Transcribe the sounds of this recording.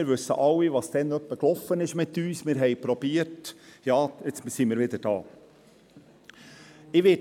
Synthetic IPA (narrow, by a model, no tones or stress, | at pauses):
ɪɾʋʉsːə̰ʔɑwːiʋɑːst̪ɛnœpːəklɔfənɪʃmɪt̪yːsmɪɾɦɛɪpɾɔb̥iːətjɑːɪt͡ssimɪɾʋɪd̪əd̥ɑ̰ː | ɪʋɪ